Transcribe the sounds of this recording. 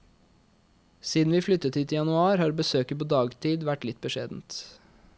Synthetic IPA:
siːd̪n̩ʋɪːflʏt̪ːət̪hiːt̪ʰɪjɑnʉɑːɾhɑːɾbəsøːkəpoːd̪ɑːɡt̪ʰiːd̪ʋæʈːlɪt̪̚bəʃeːd̪n̩t̪

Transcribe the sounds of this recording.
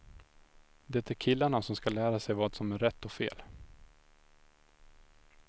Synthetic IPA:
d̪ɛt̪æɾkʰɪlːaɳasɔmskalæːɾasɛjvɑːd̪sɔmæɾɛt̪ːɔfḛːl

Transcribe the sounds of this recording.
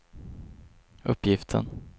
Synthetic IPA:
ɵpːjɪft̪ʰə̰n

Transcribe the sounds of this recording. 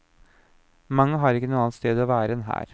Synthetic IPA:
mɑŋːəɦɑːɾɪkːənuːɑnt̪st̪eːd̪ɔːʋæːɾəɛnɦæ̰ːɾ

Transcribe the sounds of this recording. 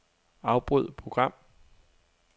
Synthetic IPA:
ɑ̈ʊb̥ʁuð̰ˠpʰʁoɡ̥ʁɑ̈m̰

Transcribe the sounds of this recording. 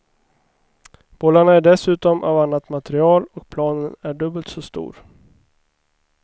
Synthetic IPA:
b̥ɔːlaɳaæɖɛsʉ̟ːt̪ɔmʔa̰vanːat̪mat̪ɛɾɪɑːlɔk̚pʰlɑːnənæɖɵbəlt̪sɔst̪ṵːɾ

